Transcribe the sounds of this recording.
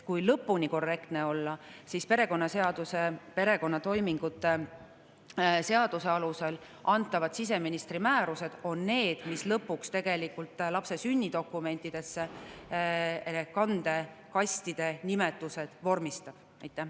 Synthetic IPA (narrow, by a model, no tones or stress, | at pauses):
kujlɤpːˑuniko̞rːe̞kt̪ne̞o̞lːɑsispe̞ɾe̞ko̞nːɑseɑd̪̥usepe̞ɾe̞ko̞nːɑt̪o̞jmiŋɡ̥ut̪ːˑe̞ | se̞ɑd̪̥use̞ɑluse̞l | ʔɑnt̪ːˑɑvɑd̪̥sis̬e̞minist̪rimæːɾuse̞d̪̥o̞nːe̞ːd̪̥mislɤpːˑukst̪e̞ɡ̥e̞likːult̪ˑlɑpse̞synʲːid̪o̞kːˑume̞nʲt̪ːˑid̪̥e̞sːe̞ | ekɑnd̪̥e̞ | kɑsʲt̪id̪̥e̞nime̞t̪ːˑuse̞d̪̥vo̞rmist̪ɑb̥ | ɑjt̪ːˑæh